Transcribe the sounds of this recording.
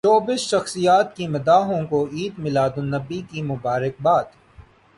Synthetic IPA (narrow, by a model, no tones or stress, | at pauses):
t͡ʃɔːbɪsʃɐxsijaːt̪̚kimɐd̪aːɦõkoiːd̪mɪlaːd̪ʊnːɐbikimʊbaːɾɪk̚baːd̪